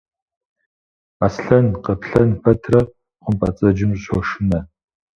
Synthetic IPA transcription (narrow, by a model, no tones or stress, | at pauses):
asɬɐnqɐpʰɬɐnpʰɐtʰrɐ | χʷʊmpʼɐt͡sʼɐd͡ʒɪmɕoʃɪnɐ